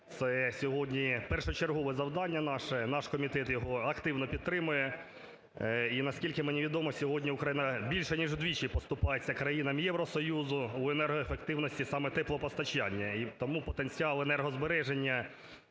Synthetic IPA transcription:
t̪sɛsʲɔɦɔdʲnʲipɛrʃʊt͡ʃerɦɔʋɪzɐwd̪ɑnʲːɐnɑʃɛnɑʃkɔmʲit̪ɛt̪jɔɦɔɐkt̪ɪwnɔpʲid̪̚t̪ɾɪmʊjɛ | inɐskʲilʲkɪmenʲiʋʲid̪ɔmɔsʲɔɦɔdʲnʲiʊkɾɐjinɐbʲilʲʃɛnʲiʒd̪ʋʲit͡ʃijpɔst̪ʊpɑjet͡sʲːɐkɾɐjinɐmjɛwɾɔsɔjuzʊuenɛrɦɔefekt̪ɪwnɔsʲtʲisɑmɛt̪ɛplˠɔpɔst̪ɐt͡ʃɑnʲːɐit̪ɔmupɔt̪enʲt͡sʲiɑlˠenɛrɦɔzbeɾɛʒenʲːɐ

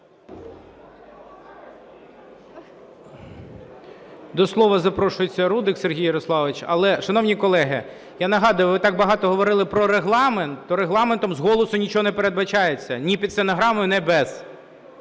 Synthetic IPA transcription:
d̪ɔslˠɔʋɐzɐpɾɔʃʊjet͡sʲːɐɾud̪ɪkserɦʲijɐɾɔslˠɑʋɪt͡ʃɐ̰lˠɛʃɐnɔwnʲikɔlˠɛɦɪ | janɐɦɑd̪ɐjʊʋɪt̪ɑɡ̚bɐɦɑt̪ɔɦɔʋɔɾɪlˠɪpɾɔɾeɦlˠɑment̪ːɔɾeɦlˠɑment̪ɔmzɦɔlˠɔsʊnʲit͡ʃɔɦɔnepeɾe̞d̪̚bɐt͡ʃɑjet͡sʲːɐnʲipʲid̪senɔɦɾɑmʊjʊnɛbɛz̥

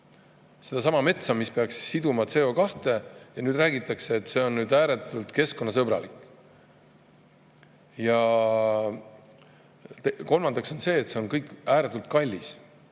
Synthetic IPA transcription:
se̞d̪̥ɑs̬ɑmɑme̞t̪sɑmispe̞ɑksːid̪umɑt̪se̞o̞kɑht̪e̞jɑnyːd̪ræːɡit̪ːˑɑkse̞ːt̪ːse̞o̞nːyːd̪æːɾet̪ːˑult̪ke̞sko̞nːɑs̬ɤb̥ɾɑ̰likːˑ | jɑ | t̪ko̞lmɑnd̪̥ɑkso̞nse̞ːt̪se̞o̞nkɤjkːæːɾet̪ːˑult̪kɑlʲːis

